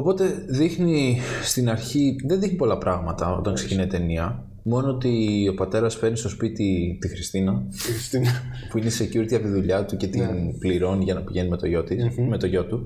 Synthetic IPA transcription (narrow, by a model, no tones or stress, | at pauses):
o̞po̞t̪e̞ðixnist̪inɐɾçiðe̞nðixnipo̞lɐpɾʔɐɣmɐt̪ɐo̞̰t̪ɐŋkse̞cinɐit̪e̞niɐ | mo̞noot̪io̞pɐt̪e̞ɾɐsfeɾnist̪o̞spit̪it̪ixɾist̪inɐ | puineise̞cuɾit̪iɐpt̪iðuʎɐt̪uce̞t̪inpliɾo̞niʝɐnɐpiʝe̞nimet̪oʝo̞t̪ime̞t̪o̞ʝo̞t̪u